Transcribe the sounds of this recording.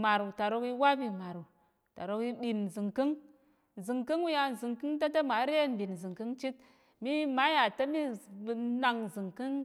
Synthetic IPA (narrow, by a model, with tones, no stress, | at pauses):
ma˨ɾu˨ta˨ɾo˧ki˦wa˦bi˨ma˨ɾu˨ | ta̰˨ɾo˧ki˦ɓi˨n˨zɨ˨ŋki˦ŋ˨ | zɨ˨ŋki˦ŋwu˦ja˧n˨zɨ˨ŋkɨ˦ŋta˦ta˦ma˨˦ɾe˦˨nbi˨n˨zɨ˨ŋkɨ˦ŋt͡ʃi˦t̚ | mi˦ma˨˦ja˨ta˦mi˦˨ | na˨ŋzɨ˨ŋki˦ŋ